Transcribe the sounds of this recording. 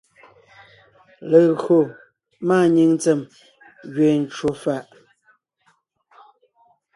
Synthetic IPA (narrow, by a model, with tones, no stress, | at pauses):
lə˨ɣɰo˨ | maː˦˨ɲi˦˨ŋ˦t͡se˨m | ɣɥe˨n˨t͡ʃwo˨fa˦˨ʔ